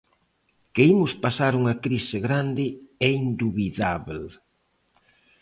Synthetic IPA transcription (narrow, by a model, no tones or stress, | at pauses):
keimʊspasaɾuŋɐkɾisɪɣɾand̪ɪɛind̪uβiðaβl